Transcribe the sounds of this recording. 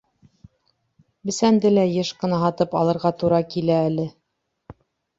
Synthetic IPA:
bɘ̆sænd̪ɘlæjɤʃqɤ̆nɑɦɑt̪ɤpɑ̰lˠɤ̆ɾʁɑt̪uɾɑkilæːlɘ

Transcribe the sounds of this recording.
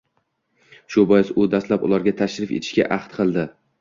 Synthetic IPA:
ʃʊbɒjɪsʊd̪ast̪lapʊ̰lˠaɾɡʲat̪ʰaʃɾɪfet̪ʰɪ̥ʃkʲa̰ʔaχt̪qʰɨlˠd̪ɪ

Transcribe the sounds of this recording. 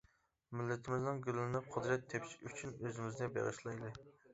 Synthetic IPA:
mɪlːɪt̪ʰɪmɪznɨŋɡʲylːɪnɪqʰʊd̪ɾɛt̪ʰːepʰʃyt͡ʃʰynøzɪmɪznɪbḛʁɨ̰ʃlˠɑjd̪ɨ

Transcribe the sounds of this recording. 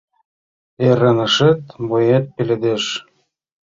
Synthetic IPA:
erənə̆ʃĕt̪mojet̪̚pelʲed̪eʃ

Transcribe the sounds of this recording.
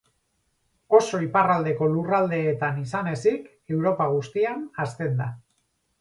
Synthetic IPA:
o̞so̞iparald̪e̞ko̞lurald̪e̞ːt̪anisane̞sik | e̞wɾo̞paɣ̞ust̪ianast̪e̞nd̪a

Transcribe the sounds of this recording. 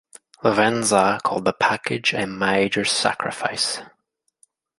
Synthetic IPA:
ləvɛ̃nzəkʰɔ̰lˠd̪̚ðəpʰakɪd͡ʒəmeɪd͡ʒə˞sa̰kʰɹɪ̰faɪs

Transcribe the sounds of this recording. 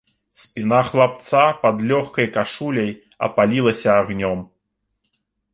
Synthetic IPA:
sʲpʲinaxlˠap̚t̪sapad̪lʲɔxkɐjkaʂulʲɐj | ɐ̰palʲilˠɐsʲɐːɣnʲɔm

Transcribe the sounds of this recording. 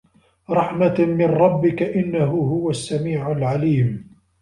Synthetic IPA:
ɾˤɑħmamɪnɾˤɑbːɪkaʔɪnːaɦʊɦʊwasːamiːʕalʕaliːm

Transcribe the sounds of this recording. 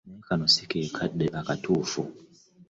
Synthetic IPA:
nɛkanɔsikikʰaɗɛʔakatʰufṵ

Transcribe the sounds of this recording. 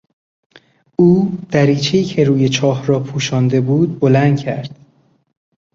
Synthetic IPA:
uːd̪̥æɾiːt͡ʃʰeiːcʰe̞ɾuːje̞t͡ʃʰɒːhɾɒːpʰuːʃɒːnd̪e̞buːd̪̚bo̞lænd̪̚cʰæɾd̪̥

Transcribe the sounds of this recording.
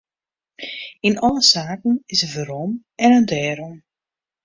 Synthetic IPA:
inɔlˠəsaːkn̩ɪsəvəɾɔm | ɛnəndɛːɾɔm

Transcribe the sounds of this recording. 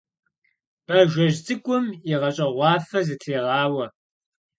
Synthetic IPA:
b̥ɐʒʷɔʒzɨkʷʼʊmiʁɐɕʼɐʁʷɑːfɐzɨtʰeːʁɑːwɐ

